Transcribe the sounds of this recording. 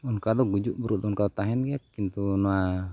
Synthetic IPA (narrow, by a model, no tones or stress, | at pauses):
unkadɔɡud͡ʒuʔbuɾut̪unkadot̪aɦɛnɡakint̪unua